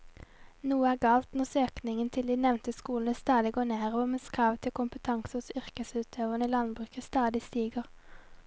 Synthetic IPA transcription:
nuːəæːɡɑːlt̪nɔʁsøːknɪŋənt̪ʰɪld̪iːnɛʋnt̪əskuːln̩əst̪ɑːd̪ɪɡoːnæːʁʋɔːmeːskʰʁɑːʋt̪ʰɪlkʰʊmpət̪ʰɑŋsəʊsʏʁkəsʉːt̪ʰøːʋəʁnəiːlɑnbʁʉːkəst̪ɑːd̪ɪst̪iːɡəʁ

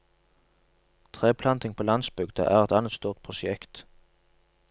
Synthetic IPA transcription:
t̪ʰʁeːpʰlɑnt̪ɪŋpʰoːlɑnsbʏɡd̪ə̰ʔæːʁɛt̪ɑnət̪st̪uːʁt̪̚pʰʁʊʃɛkt̪

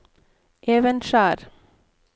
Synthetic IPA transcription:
ʔeːʋənʃæːɾ

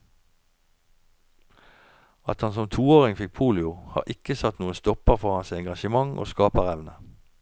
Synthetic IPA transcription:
ɑt̪hɑnsɔmt̪ʰuːoːʁɪŋfɪk̚pʰuːlɪʊhɑ̰ːʁʔɪkəsɑt̪nuːənst̪ɔpəʁfɔʁhɑnsɛŋɡɑʃəmɑŋʔo̰ːskɑːpəʁɛʋnə

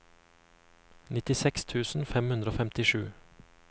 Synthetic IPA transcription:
nɪt̪ɪsɛkst̪ʰʉːsn̩fɛmhʉnd̪ɾəoːfɛmt̪ɪʃʉː

